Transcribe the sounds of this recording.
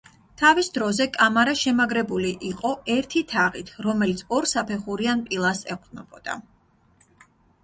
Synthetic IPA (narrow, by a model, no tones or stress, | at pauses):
t̪ʰavisd̪ɾɔzɛkʼamaɾaʃɛmaɡɾɛbuliʔiqʼɔɛɾt̪ʰit̪ʰaʁit̪ʰɾɔmɛlit̪sʰɔɾsapʰɛχuɾianpʼilˠasɛqʼd̪nɔb̥ɔd̪̥a̰